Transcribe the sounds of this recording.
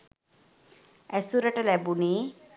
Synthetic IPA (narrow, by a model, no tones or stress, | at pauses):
ɛsuɾɛʈalɛbuni